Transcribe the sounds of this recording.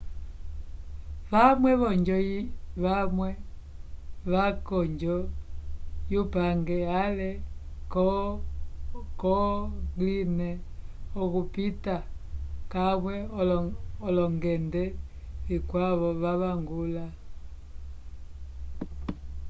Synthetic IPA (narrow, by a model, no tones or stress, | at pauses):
βamwɛβɔɲd͡ʒɔiβamwɛ | βakɔɲd͡ʒɔ | jupaŋɡɛalɛkɔ | kɔɡlinɛɔkupita | kaβwɛɔlɔlɔŋɡɛndɛ | ikwaβɔβaβaŋɡula